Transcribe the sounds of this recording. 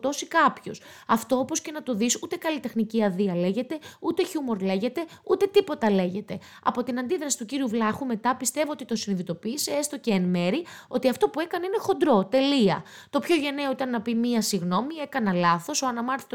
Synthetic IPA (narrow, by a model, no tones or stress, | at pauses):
t̪o̞sikɐpço̞̰s | ɐft̪o̞opo̞sce̞nɐt̪o̞ðisut̪e̞kɐlit̪e̞xniciɐðiɐle̞ʝe̞t̪e̞ut̪e̞çumo̞ɾle̞ʝe̞t̪e̞ut̪e̞t̪ipo̞t̪ɐle̞ʝe̞t̪e̞ | ɐ̰po̞t̪inɐnd̪iðɾɐsi̥t̪uciɾiuvlɐxume̞t̪ɐpist̪e̞voot̪it̪o̞siniðit̪o̞piːseest̪o̞ceːnme̞ɾio̞t̪iɐft̪opue̞kɐnine̞xo̞nd̪ɾo̞t̪e̞liɐ | t̪o̞pço̞ʝe̞neoit̪ɐnːɐpimiɐsiɣno̞mie̞kɐnɐlɐθo̞soɐnɐmɐɾθi̥t̪o